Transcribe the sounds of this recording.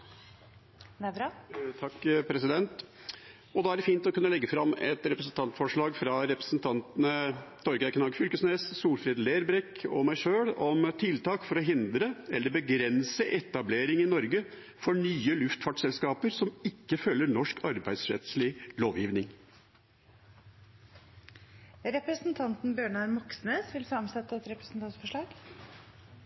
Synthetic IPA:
t̪ʰɑkːpʰɾɛsɪd̪ɛnt̪ | ɔd̪ɑːæɖɛfiːnt̪ɔkʉnːəlɛɡːəfɾɑmːɛt̪ɾɛpɾəsnt̪ʰɑnt̪fɔʂɭɑːɡfɾɑɾɛpɾəsnt̪ʰɑnt̪ənət̪ʰɔɾɡækʰnɑːɡfʏlkəsneːssuːlfɾiːd̪leːɾbɾɛkːɔ̰mæɪʂøːɽɔmt̪ʰɪlt̪ʰɑːkfɔɾɔɦɪnd̪ɾəɛlːəɾbəɡɾɛnsəʔɛt̪ːɑbleːɾɪŋɪnɔɾɡə | fɔɳyːəlʉft̪fɑʈsɛlskɑːpəɾsɔmɪkːəfœlːəɳɔʂkʰɑɾbæɪd̪sɾɛ̰t̪slɪloːʋjiːʋnɪŋ | ɾɛpɾəsnt̪ʰɑnt̪n̩bjøːɳɑɾmɔksneːsʋɪlsɑmsɛt̪ːəɛt̪ɾɛpɾəsn̩t̪ʰɑnt̪fɔʂɭɑːɡ

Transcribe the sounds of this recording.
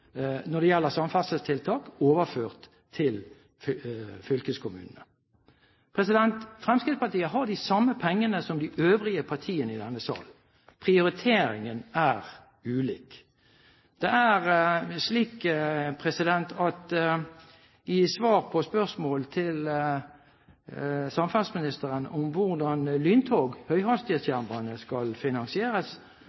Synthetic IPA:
nɔd̪ɛjɛlːəʁsɑmfɑsəst̪ʰɪlt̪ʰɑːkoːʋəføːʁt̪ʰːɪl | ffʏlkəskʰʊmʉ̰ːnnə | pʰʁɛsɪd̪ɛnt̪fʁɛmskɪt̪spɑt̪iːəɦɑd̪ɪsɑmːəpʰɛŋːənəsɔmd̪ɪʔøːʋʁɪəpʰɑʁt̪ʰiːənəɪd̪ɛnːəsɑ̰ːl | pʰʁɪʊɾɪt̪ʰeːɾɪŋənæʁ | ʉːlḭːk | d̪̥ɛæʁsliːkpʰʁɛsɪd̪ɛnt̪ʰɑt̪ | ɪsʋɑːʁpʰɔspœʁsmoːlt̪ʰɪl | sɑmfɑlsmɪnɪst̪əʁənɔmʋʊʁd̪ɑnlyːnt̪ʰoːɡhœʏɦɑst̪ɪəsçæʁmbɑnəskɑlfɪnɑnsɪeːɾəs

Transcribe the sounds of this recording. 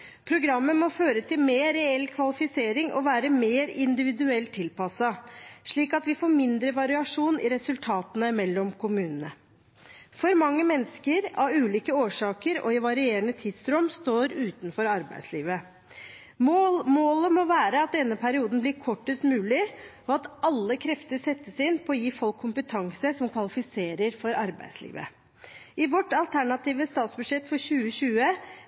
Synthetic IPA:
pʰɾʊɡɾɑmːəmɔføːɾət̪ʰɪlmeːɾɛɛlːkʰʋɑlɪfɪseːɾɪŋʔɔ̰ʋæːɾəmeːɾɪnd̪ɪʋɪd̪ʉɛlt̪ʰːɪlpɑsɑʂɭiːkɑt̪ʋɪfoːɾmɪnd̪ɾəʋɑɾɪɑʂuːnɪ̰ɾɛsʉlt̪ʰɑːt̪ənəmɛlːɔmkʰʊmʉːnənə | fɔɾmɑŋːəmɛnskəɾɑ̰ʋʉːliːkəoːʂɑːkəɾɔ̰ɪʋɑɾɪeːɾəɳət̪ʰɪd̪sɾɔmst̪oːɾʉːt̪nfɔɾɑɾbæ̰ɪd̪sliːʋə | mmoːləmɔʋæːɾəɑt̪̚d̪ɛnːəpʰæɾɪuːd̪n̩blɪɾkʰɔʈːəst̪mʉːlɪ | ɔɑt̪ɑlːəkʰɾɛft̪əɾsɛt̪ːəsɪnpʰɔːjiːfɔlkʰːʊmpət̪ʰɑŋsəsɔmkʰʋɑlɪfɪseːɾəɾfɔɾɑɾbæ̰ɪd̪slḭːʋə̰ | ɪʋɔʈːɑlt̪ʰæɳɑt̪iːʋəst̪ɑːt̪sbʉd̪ʂɛt̪ːfɔɾɕʉːəɕʉːə

